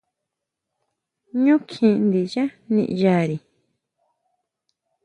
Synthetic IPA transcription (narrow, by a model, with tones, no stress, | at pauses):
ɲũ˦kʰĩ˧˨˧nd̪i˨ja˦nḭ̃˧ʔja˧˨ɾi˨